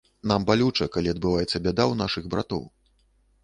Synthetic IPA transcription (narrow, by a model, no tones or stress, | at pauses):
nambalʲut͡ʂɐkalʲiɐd̪̚bɨvajɛt̪sːɐbʲad̪awnaʂɨɣbɾa̰t̪ɔ̰w